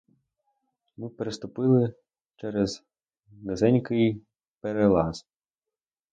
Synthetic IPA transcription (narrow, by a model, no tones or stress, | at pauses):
mɪpeɾɪst̪ʊpɪlˠɪ | t͡ʃɛɾez | nezɛnʲkɪj | peɾelˠɑz